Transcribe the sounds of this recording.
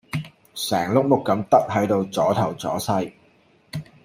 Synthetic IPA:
sɛː˨˩ŋlʊ˥k̚mʊ˥k̚ːɐ˨˧˥mt̪ɐ˥k̚ɦɐ˨˥jt̪o˧wt͡sɔː˨˥t̪ʰɐ˨˩wt͡sɔ̰ː˨˥sɐ˥j

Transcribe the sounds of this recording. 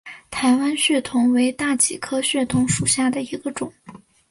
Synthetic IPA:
t̪ʰa˧˥ɪwa˥nɕɥɛ˥˩t̪ʰʊ˧˥ŋwe˧˥ɪt̪a˥˩t͡ɕi˨˩kʰɤ˥ɕɥɛ˥˩t̪ʰʊ˧˥ŋʂu˨˩ɕja˥˩d̪ə˩i˧˥ɡə˧ʈ͡ʂʊ˨˩˦ŋ

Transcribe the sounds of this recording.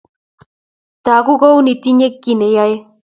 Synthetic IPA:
ta˨ku˦ɣo˦wni˨ti˦ɲe˦kːi˨ne˨ja˦je˦

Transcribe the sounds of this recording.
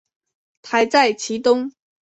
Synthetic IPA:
t̪ʰa˧˥ɪt͡sa˥˩ɪt͡ɕʰi˨˧˥t̪ʊ˥ŋ

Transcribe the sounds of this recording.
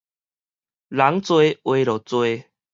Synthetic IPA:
la˨˦ŋt͡swe˧˦we˧˦lɔ˨˩t͡swe˧

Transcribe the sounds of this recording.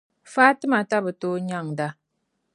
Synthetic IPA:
faː˦tɨ˦ma˨ta˦bɨ˨to˦ɲa˦˨ŋda˦

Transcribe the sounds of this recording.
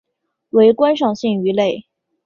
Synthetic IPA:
we˧˥ɪkwa˥nʂ̬ɑ˥˩ŋɕi˥˩ŋy˧˥le˥˩ɪ

